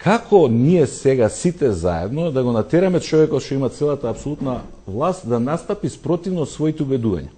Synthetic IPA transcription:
kakɔniɛsɛɡasit̪ɛza̰ɛ̰d̪nɔd̪aɡɔnat̪ɛɾamɛt͡ʃɔvɛkɔt̪ʃt̪ɔimat̪sɛlˠat̪aːpsolˠut̪na | vlˠast̪d̪anast̪apispɾɔt̪ivnɔsvɔit̪ɛubɛd̪uva̰ɲa̰

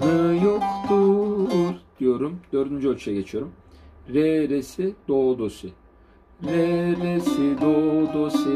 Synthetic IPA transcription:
nɯjokt̪uɾd̪̥ijo̞ɾumd̪̥ø̞ːɾd̪ynd͡ʒyot͡ʃʰujaɟe̞t͡ʃʰijo̞ɾum | ɾɛɾesid̪oːd̪osʊ | ɾɛɾesid̪od̪osɯ

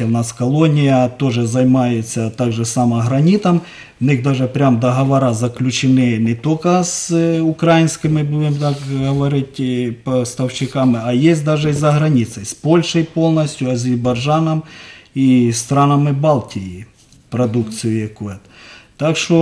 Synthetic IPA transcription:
ɛwnaskɐlˠonʲɪjɐt̪oʐɛzɐjmajet͡sʲːɐt̪aɡʐɛsɐmɐɦɾɐnʲit̪ɐm | ʋnɪɣd̪aʐɛpɾʲamd̪ɐɦɐʋɐɾazɐklʲʊt͡ʃɪnɪnɛt̪okɐsʊkɾajɪnʲsʲkɪmɪbudʲɪmt̪ɑkɦɐʋɐɾɪtʲpɐst̪ɐwɕɪkamɪɐjesʲt̚ʲd̪aʒɛizɐɦɾɐnʲit̪sɐjspolʲʂɐjpo̞lˠnɐsʲtʲjʊɐzʲɪɾbɐʐanɐmist̪ɾɑnɐmɪbɑlˠtʲɪji | pɾɐd̪ukt̪sɨjʊjɐkuɛt̪t̪akʂt̪o

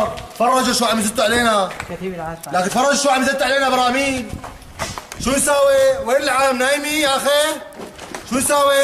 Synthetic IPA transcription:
t̪fɑrˤːɑd͡ʒʔaʃwaːʕmzɪt̪uʕaleːna | laːkɪnt̪fɑrˤːɑd͡ʒʔaʃwaːʔmzɪb̚t̪ʕaleːnabɑɾˤɑːmiːn | ʃuːnsaːweweːlɪlʕaːmnaːjmiaxe | ʃuːnsaːwe

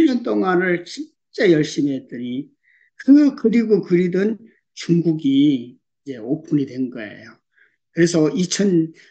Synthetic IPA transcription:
ɲʌnt̬͈oŋanɯɭɕi | t͡ɕ͈ejʌɭɕ͈imet͈ɯɾi | kɯkɯɾiɡokɯɾidɯn | t͡ɕuŋɡuɡi | id͡ʑe̞opʰunidwe̞nɡʌe̞̰jo | kɯɾe̞sʰʌit͡ɕʰʌn

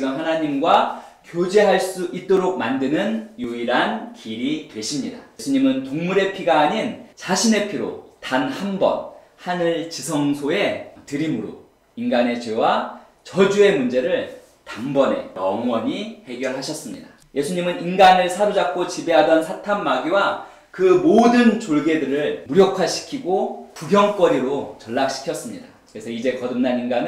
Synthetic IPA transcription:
iɡamɦanaɲimɡwakjod͡ʑeɦaɭs͈uʔit̚t͈oɾok̚mandɯnɯnjuiɾankiɾitwe̞ɕʰimɲidaesʰuɲimɯntoŋmuɾe̞pʰiɡaːɲint͡ɕaɕʰine̞pʰiɾo̰tanhambʌ̰n | hanɯɭt͡ɕisʰʌŋsʰoe̞tɯɾimuɾo̰ | inɡane̞t͡ɕwe̞wa | t͡ɕʌd͡ʑue̞mund͡ʑe̞ɾɯɭ | tambʌne̞̰jʌŋwʌɲihe̞ɡjʌɭɦaɕʰʌs͈ɯmɲida | je̞sʰuɲimɯninɡanɯɭsʰaɾod͡ʑak̚k͈ot͡ɕibe̞ɦadʌnsʰatʰamːaɡiwa | kɯmodɯnt͡ɕoɭɡe̞dɯɾɯɭmuɾjʌkʰaɕʰi̥kʰiɡopuɡjʌŋk͈ʌɾiɾot͡ɕʌɭːak̚ɕ͈ʰi̥kʰjʌs͈ɯmɲidakɯɾe̞sʰʌid͡ʑe̞kʌdɯmnaninɡanɯ

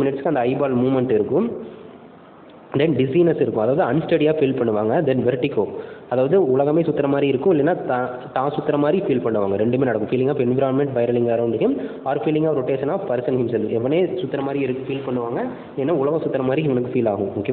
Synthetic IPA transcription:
mɪnɪʈskɐnd̪ɐɪbaːlmuːmɛɳʈɪɾɯkːʊ̃m | d̪ɛnɖɪsɐɪnɐɾsɪɾɯkːʊ̃ɐðaːʋɐðɯɐnsʈɐɽijaːfiːlpɐɳːɯʋaːŋɡɐd̪ɛnʋɛɾʈːɪkːoːɐðaːʋɐðɯʊlɐɣɐmeːsʊt̪ːɐɾɐmaːd̪ɾiɪɾɯkːʊ̃ɪlːeːnːaːt̪a | t̪ãːsʊt̪ːɐɾɐmaːd̪ɾifiːlpɐɳːɯʋa̰ːŋɡɐɾɛɳɖɯmeːnɐɽɐkːʊ̃fiːlɪŋaːpɛnʋɪɾaːnmɛɳʈʋɐɪɾɐlɪŋɡaːɾɐ̃ɳɖɯkːɯm | aːɾfiːlɪ̃ŋɡaːɾɔʈːeːsɐnːaːpɐɾɪsɐnɦɪmsɛlːɯɛʋːɐneːsʊt̪ːɐɾɐmaːd̪ɾiɪɾɯkːfiːlpɐɳːɯʋaːŋɡɐ | lɛːnːaːʊɭɐɣɐ̃sʊt̪ːɐɾɐmaːd̪ɾiɪŋɡɐnɯkːɯfiːlaːɣʊ̃mʊkːɪ

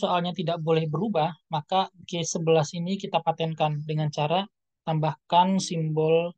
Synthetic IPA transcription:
soalɲat̪idaʔbolɛhbəɾubahmakakesːəbəlasinikit̪apat̪ɛnkandəŋant͡ʃaɾa | t̪ambahkansimbɔl

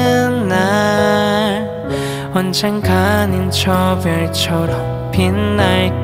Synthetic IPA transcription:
nːa | ɭ | ʌnt͡ɕʰɛŋkʰanint͡ɕʰʌbjʌɭt͡ɕʰʌɾʌ | pʰinːaɭk

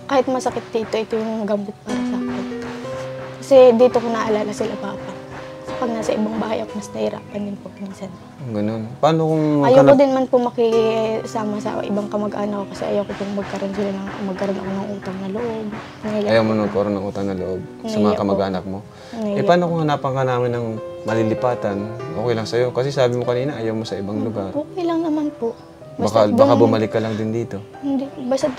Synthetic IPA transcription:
kaːhɪt̪̚mɐsɐkɪt̪̚d̪iːt̪o̞ʔɪt̪ojʊŋɡɐmbɪt̪̚paːɾɐsaːkɪn | kɐsɛd̪iːt̪o̞konɐʔʔɐlaːlɐsɪlapaːpa | sɐpɐɡ̚naːsɐʔɪbaŋbaːhaɐjʔɐkomɐsnɐhɪɾa̰ːpɐnd̪ɪnpoʔminsɐn | ɡɐnonpaːnokoŋʔɐjow̪od̪ɪnmanpomɐkɪsaːmɐsɐ̰ʔɪ̰baŋkɐmɐɡʔaːnɐk̚ːokɐsɛ̰ʔɐ̰jɐwkokʊŋmɐɡ̚kɐɾo̞nsɪlanɐŋmɐɡ̚kɐɾonɐ̰ko̞nɐŋʔuːt̪ɐŋnɐloʔo̞b̚ | nɐɐjawmonmɐɡkɐʔɾonːɐŋʔuːt̪ɐŋnɐloʔo̞b̚sɐmɐŋakɐmɐɡʔaːnɐk̚mo̞ | nɐɛpaːnokoŋɐnapɐŋanaːmɪnːɐŋmɐlilɪpaːt̪ɐnʔoːkɛjlɐŋsɐjo̞kɐsɛsaːbɪmokɐniːnɐʔɐjawmo̞sɐʔɪbaŋlʊɡaɾʔoːkɛjlɐŋnɐmanpo | baakabakabʊmɐlɪkːɐlɐŋd̪ɪnd̪iːt̪o̞ | hɪnd̪ibasɐ

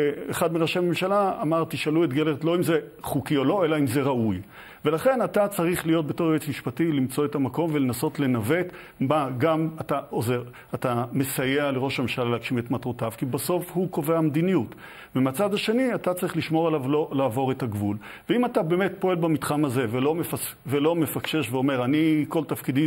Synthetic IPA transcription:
eχadmiʁaʃeamemʃalaːmaʁt̪iʃaluetɡeletlo̞imzeχukiolo̞e̞laimze̞ʁauj | ve̞laχe̞natat͡saʁiχlijo̞t̚be̞to̞ʁet͡smiʃpatilimt͡so̞etamako̞mvelenaso̞tle̞nave̞t | baɡamataʔo̞ze̞ʁ | atame̞sajeale̞ʁo̞ʃamaʃaleakʃime̞tmatʁotav̥kibaso̞fhuko̞veamd̪inijut | vemeat͡sad̪aʃe̞niatat͡saʁiχliʃmo̞ʁalavlo̞laːvo̞ʁetaɡvul | veimatabeːme̞tpo̞e̞lbamitχamaze̞velo̞mefa | velo̞me̞fakʃe̞ʃveo̞me̞ʁaniko̞ltafkid̪i

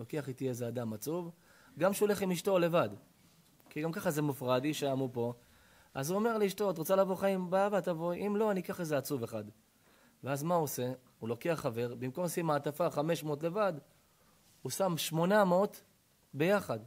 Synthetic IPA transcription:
lo̞keaχit̪iezead̪amat͡suv | ɡamʃeole̞χimiʃto̞le̞vad | kiɡamkaχazemufʁad̪iʃeamupo̞ | azuome̞ʁliiʃto̞t̪̬ʁot͡salavo̞χaimbaavat̪avo̞ʔimlo̞anikaaχezeat͡suve̞χad̪ | veazmaose̞ | ulo̞keaχːave̞ʁbimko̞msimaːt̪afaχame̞ʃmotle̞vad | husamʃmo̞namo̞t̪ | be̞jaχad̪

